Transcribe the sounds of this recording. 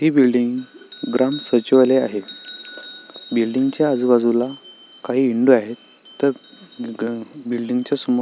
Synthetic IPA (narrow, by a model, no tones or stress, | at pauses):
ɦiːbilɖiŋɡɡɾamsət͡ɕiʋaleaɦe | bilɖiŋɡt͡ɕjaəd͡zubad͡zula | kaɦiːɳɖuaɦe | t̪ːəɾ | bilɖiŋɡt͡ɕjasumu